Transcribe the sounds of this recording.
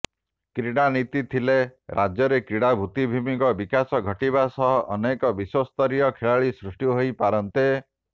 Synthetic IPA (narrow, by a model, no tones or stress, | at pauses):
kɾiɽ̃anit̪it̪ʰileɾʔad͡ʒjɔɾekɾiɽ̃abʱut̪ibʱimikɔbikasɔɡʱɔʈibasɔɦɔʔɔnekɔbiswɔst̪ɔɾijɔkʰeɭaɭisɾusʈjuɦojpaɾɔnt̪e